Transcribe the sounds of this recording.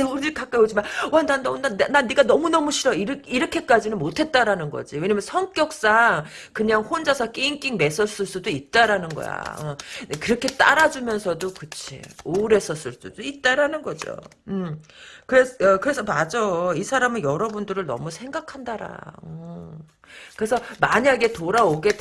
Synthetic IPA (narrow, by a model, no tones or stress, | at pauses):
onɯɭkak͈aod͡ʑimanwandandaonananiɡanʌmunʌmuɕʰiɾʌiɾiɾʌkʰe̞k͈ad͡ʑinɯnmotʰe̞t̚t͈aɾanɯnɡʌ̰d͡ʑiwe̞ɲamjʌnsʰʌŋk͈jʌk̚s͈aŋ | kɯɲaŋɸond͡ʑasʰak͈eiŋk͈iŋme̞s͈ʰʌs͈ɯɭs͈udoit̚t͈aɾanɯnɡʌ̰ja̰ | kɯɾʌkʰe̞t͈a̰ɾad͡ʑumjʌnsʰʌdokɯt͡ɕʰḭoɾe̞s͈ʰʌs͈ɯɭs͈udoit̚t͈aɾanɯnɡʌd͡ʑo̰ | ɯmkɯɾeʌkɯɾe̞sʰʌmad͡ʑʌisʰaɾamɯjʌɾʌbundɯɾɯɭnʌ̰musʰe̞ŋɡakʰandaɾa̰ɯ | kɯɾe̞sʰʌmaɲaɡe̞toɾaoɡe̞t